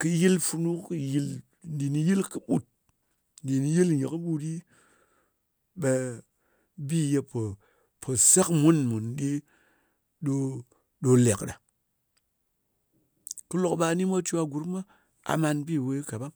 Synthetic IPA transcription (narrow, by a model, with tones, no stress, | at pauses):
kɨ˧ji˦lfu˧nu˦kɨ˦ji˧l | n˦di˨ni˨ji˦lkɨ˦ɓu˦˨t̚ | n˨di˨ni˨ji˦lje˨kɨ˦ɓu˦ɗi˦ | ɓe˧ | bi˦je˧po˨ | pʰo˨sa˦kmu˦nmu˨nɗe˦ | ɗo˧ | ɗo˧le˨kɗa˨ | kɨ˦lo˨kɓa˧ni˦ma˦t͡ʃu˦a˧ɡu˨ɾma˦ | a̰˨ma˧nbi˦˨we˧˦ka˨ɓa˦m